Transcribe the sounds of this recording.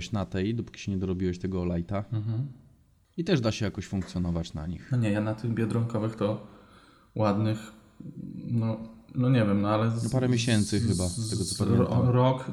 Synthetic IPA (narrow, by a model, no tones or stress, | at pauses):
ɕnat̪ɛjd̪ɔpu̥kʲi̥ɕɛɲɛd̪ɔɾɔbʲiwɛɕt̪ɛɡɔːlajt̪aɦ̩ | it̪ɛʐd̪aɕɛjakɔɕfuŋkt̪sʲjɔnɔvat͡ɕna̰ɲixɔɲɛjanat̪ɘɣbʲjɛd̪ɾɔŋkɔvɘxt̪ɔ | wad̪nɘx | nɔnɔɲɛvʲjɛmnɔalɛnɔpaɾɛmʲjeɕɛnt̪sɘxɘbasɛɡɔt̪ɔ̥pɛvɛɾɔk